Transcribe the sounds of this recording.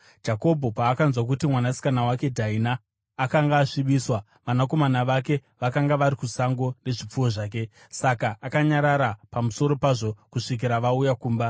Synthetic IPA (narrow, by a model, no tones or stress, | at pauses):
d͡ʒako̞bʱo̞paːkanzwak̬utimwanasi̥kanawake̞dʱainaː | kaŋɡaːʂiɓiːswa | ʋanako̞manaʋake̞ | ʋakaŋɡaʋaɾikusaŋɡo̞ne̞ʐip͡fuwo̞ʐaːk̬e̞ | sakaʔakaɲaɾaɾapamuso̞ɾo̞paʐo̞kuʂik̬iɾaʋaujakuːmba